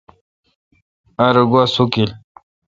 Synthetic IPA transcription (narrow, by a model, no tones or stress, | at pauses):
aɾɡwasukil